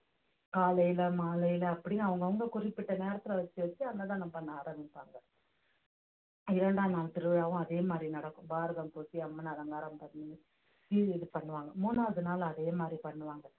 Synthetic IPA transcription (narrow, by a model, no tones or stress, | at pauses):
kaːlɐjɪlɐmaːlɐjɪlɐːpːɐɽɪnːaːʋɐŋɡɐʋɐŋɡɐkʊrɪpːɪʈːɐneːɾɐt̪ːɪlɐʋɐt͡ʃːɯʋɐt͡ʃːɯɐnd̪ɐt̪ãːnɐmbɐnːɐaːɾɐmbɪpːaːŋɡɐ | ɪɾɛɳɖaːnaːlt̪ɪɾɯɭaːʋɐ̃ɐðeːmaːd̪ɾinɐɽɐkːʊ̃baːɾɐðɐmpoːsiɐmːɐnɐðɐŋɡaːɾɐmbɐɾni | ʋiɪðɯpɐɳːɯʋaːŋɡɐmuːnaːʋɐðɯnaːl̃ɐðeːmaːd̪ɾipɐɳːɯʋaːŋɡɐ